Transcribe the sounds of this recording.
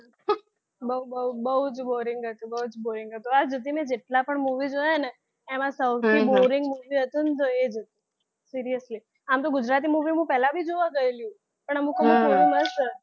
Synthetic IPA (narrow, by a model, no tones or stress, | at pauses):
bəubəubəɦud͡ʒboɾɪŋɡɦət̪ũbəɦud͡ʒboɾɪŋɡɦət̪oad͡ʒət̪̬imẽd͡ʒeʈlapəɳmuʋid͡ʒojene | emãsəwt̪ʰiboɾɪŋɡmuʋiɦət̪ũnt̪oed͡ʒət̪ĩ | siɾijəsli | amt̪̬oɡʊd͡ʒɾat̪̬imuʋimũpɛɦlabʱid͡ʒoʋaɡəeljũ | pəɳəmũkemũboũbəʃə